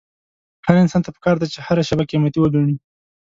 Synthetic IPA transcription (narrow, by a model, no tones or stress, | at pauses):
haɾɪnsɑnt̪apə̥kɑɾd̪at͡ʃehaɾaʃabakemat̪iwəluɳ̃i